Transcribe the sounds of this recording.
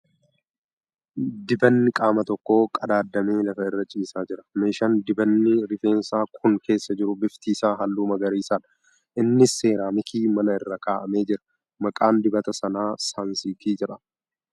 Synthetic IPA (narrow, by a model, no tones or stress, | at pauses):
d̪ɪbɐnːɪkʼaːmɐt̪ɔkːo̞ːkʼɐd̪aːd̪ːɐme̞ːlɐfɐɪrːɐt͡ʃʼiːsaːd͡ʒɪɾɐ̥meːʃɐnd̪ɪbɐnːɪɾɪfe̞ːnsaːkʰʊŋkʰe̞ːsːɐd͡ʒɪɾʊbɪft̪iːsaːɦɐlːuːmɐɡɐɾiːsaːᶑɐ̥ | ʔɪnːɪse̞ːɾaːmɪkʰiːmɐnɐɪrːɐkʰaːʔɐme̞ːd͡ʒɪɾɐ̥ | mɐkʼaːnd̪ɪbɐt̪ɐsɐnaːsaːnsiːkʰiːd͡ʒɪɾɐ